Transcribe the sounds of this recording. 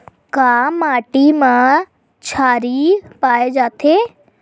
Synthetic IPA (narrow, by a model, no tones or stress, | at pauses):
kaːmaːʈimã | t͡ʃʰaːɾipaːed͡ʒaːt̪ʰe